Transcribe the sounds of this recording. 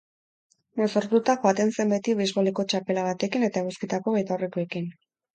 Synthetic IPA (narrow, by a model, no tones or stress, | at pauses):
mosoɾt̪ut̪axo̞at̪e̞nse̞mbe̞t̪iβizɣoliko̞t͡ʃape̞laβat̪e̞kine̞t̪aeɣuskit̪ako̞βejt̪awre̞koekin